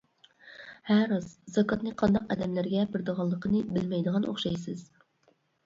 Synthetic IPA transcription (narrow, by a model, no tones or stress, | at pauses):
hæɾɑzzɑkʰɑt̪nɨqʰɑnd̪ɑqɛ̰d̪ɛmlæɾɡʲɛbɪɾd̪əʁɑlˠːəqʰənɨbɪlmɛjd̪əʁɑnʔo̰χʃɑjsɨz̥